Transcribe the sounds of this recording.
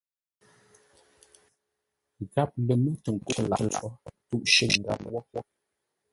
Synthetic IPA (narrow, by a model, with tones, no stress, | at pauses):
ɡa˦p̚lə˨mə˦tə˨ŋ̩˨ko˦˨ʔla̰˨lfɔ˦tu˦ʔʃe˦˨ŋ̩˨ɡa̰˨mwɔ˦wɔ˦